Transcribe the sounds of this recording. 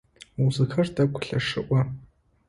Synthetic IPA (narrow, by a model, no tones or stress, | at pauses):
wzɨxʰɐrdɐkʷʰʊ̥ɬɐʂɨʔʷɐ